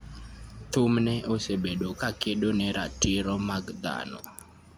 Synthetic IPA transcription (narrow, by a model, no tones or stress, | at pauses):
t̪umnɛʔosebeɗokakeɗonɛɾatɪɾɔmaɡd̪a̰nɔ̰